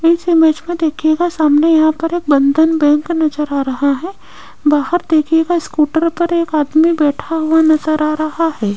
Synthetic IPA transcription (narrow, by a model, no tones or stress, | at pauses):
ɪsɪmeːd͡ʒmẽd̪eːkʰieɡasaːmnajɐɦãpɐɾeːk̚bɐ̃nd̪ʱənbɛ̃ːŋknɐzəɾaːɾɐɦaɦɛː | baːɦəɾd̪eːkʰieɡaɪskuːʈəɾpɐɾeːkaːd̪mibɛːʈʰaɦuanɐzəɾaːɾɐɦaɦɛː